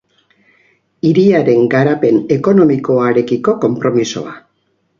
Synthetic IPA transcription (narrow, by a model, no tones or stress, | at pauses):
iɾiaɾe̞ŋɡaɾape̞ne̞ko̞no̞miko̞aɾe̞kiko̞ko̞mpɾo̞miso̞̰a̰